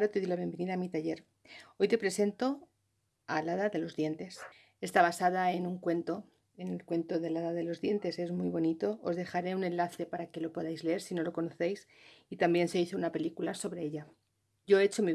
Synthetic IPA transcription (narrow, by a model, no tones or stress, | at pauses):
ɾot̪e̞ðojlaβje̞mbe̞niðaːmit̪aʝe̞ɾ | o̞jt̪e̞pɾe̞se̞nt̪o̞ | alaðaðe̞lo̞zðje̞nt̪e̞s | e̞st̪aβ̞asaðaenuŋkwe̞nt̪o | enelkwe̞nt̪o̞ðe̞laðaðelo̞zðje̞nt̪e̞se̞zmujβo̞nit̪o̞ʔozðe̞xaɾe̞unẽ̞nlaθe̞paɾake̞lo̞po̞ðajzleeɾsino̞lo̞ko̞no̞θejsit̪ambje̞nse̞iθo̞unape̞likulaso̞βɾe̞eʎa | ʝo̞et͡ʃo̞mi